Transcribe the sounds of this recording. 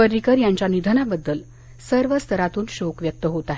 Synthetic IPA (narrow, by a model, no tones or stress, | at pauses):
əɾikəɾjaɲt͡ɕjanid̪ʱənabəd̪ːəl | səɾʋəst̪ʰəɾat̪uːnɕokʋjək̚t̪əɦot̪aɦe